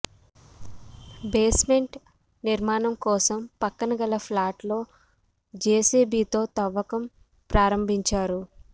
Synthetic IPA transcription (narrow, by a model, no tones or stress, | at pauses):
be̞ːsme̞ɳʈ | niɾmaːnɐmkɔːsɐmpɐkːɐnɐɡɐlɐpʰlaːʈlo̞ː | d͡ʒeːsiːbiːt̪o̞ːt̪ɐʋːɐkɐm | pɾaːɾɐmbʱiɲt͡ʃaːɾu